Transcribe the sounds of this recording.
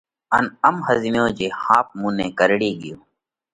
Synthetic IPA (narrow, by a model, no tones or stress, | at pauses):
ənəmhəznjõːd͡ʒeːhaːp̚mũːnẽːkəɾɽiːɡɪjoː